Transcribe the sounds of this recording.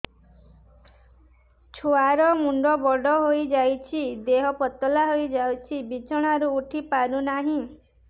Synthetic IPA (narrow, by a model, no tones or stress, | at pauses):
t͡ʃʰuaɾɔmuɳɖɔbɔɖɔɦojd͡ʒajt͡ʃʰid̪eɦɔpɔt̪ɔlaɦojd͡ʒawt͡ʃʰibit͡ʃɔɽ̃aɾuːʈʰipaɾunaɦĩ